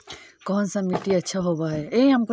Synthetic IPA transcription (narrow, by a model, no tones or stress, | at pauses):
kɔɦənsãmiʈiɐtːʃʰaɦobaːɦeeĩɦɐmko